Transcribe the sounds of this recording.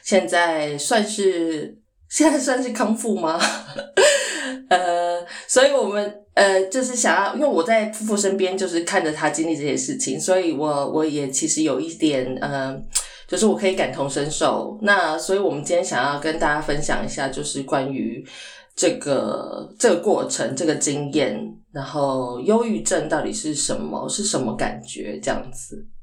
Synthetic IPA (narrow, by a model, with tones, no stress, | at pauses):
ɕjɛ˥˧nt͡sa˥˩ɪswa˥˧nʂɻ̩˥˩ | ɕjɛ˥˧nt͡sa˥˩ɪs̬wa˥˧nʂɻ̩˥˩kʰɑ˥ŋfu˥˩ma˩ | ə˧swɔ˧˥i˨˩wɔ˨˩mə˦nə˧t͡ɕjo˥˧ʊʂ̬ɻ̩˥˩ɕjɑ˨˩ŋjɑ˥ʊʔi˥nwe˥ɪwɔ˨˩t͡sa˥˩ɪfu˥˧fu˥˩ʂə˥npjɛ˥nt͡ɕjo˥˧ʊʂɻ̩˥˧kʰa˥˩ndə˨˩t̪ʰa˥t͡ɕi˥nli˥˧ʈ͡ʂɤ˥˩ɕjɛ˥˦ʂɻ̩˥˩t͡ɕʰḭ˨˦ŋswɔ˧˥i˨˩wɔ˧˩˦wʔɔ˧˦jɛ˨˩t͡ɕʰi˧˥ʂɻ̩˧˥jo˨˩ʊi˥˩t̪jɛ˨˩nə˨˩ | t͡ɕjo˥˧ʊʂ̬ɻ̩˥˩wɔ˨˩kʰɤ˧˥i˧˥ka˨˩nt̪ʰʊ˧˥ŋʂə˦˥nʂo˥˩ʊna˥˨swɔ˧˥i˨˧wɔ˨˩mə˦nt͡ɕi˥njɛ˥nɕjɑ˨˩ŋjɑ˥˩ʊkə˦nt̪a˥˩t͡ɕja˥fə˦nɕjɑ̰˨˩ŋi˧˥ɕja̰˥˩t͡ɕjo˥˧ʊʂɻ̩˥˩kwa˦ny˧˥ | ʈ͡ʂɤ˥˩ɡə̰˩ʈ͡ʂɤ˥˩ɡə˩kwɔ˥˩ʈ͡ʂʰə˧˥ŋʈ͡ʂɤ˥˩ɡə˩t͡ɕi˥ŋjɛ˥˩nɻa˧˥nxo˥˩ʊjo˥ʊy˥˧ʈ͡ʂə˥˧nt̪ɑ˥˩ʊt̪i˨˩ʂɻ̩˥˩ʂə̰˧˦nmə̰˧ʂɻ̩˥˩ʂə˧˦nmə˧ka̰˨˩nt͡ɕɥɛ̰˧˥ʈ͡ʂɤ˥˧jɑ̰˥˩ŋd͡zɹ̩˩